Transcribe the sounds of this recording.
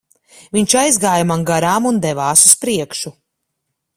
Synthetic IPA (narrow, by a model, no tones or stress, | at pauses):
viɲt͡ʃajzɡaːjamaŋɡaɾaːmund̪ɛvaːsuspɾiɛkʃu